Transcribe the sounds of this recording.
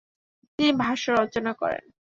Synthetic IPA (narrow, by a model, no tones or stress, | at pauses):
t̪inibʱaʃaɾɔt͡ɕonakɔ̰ɾḛn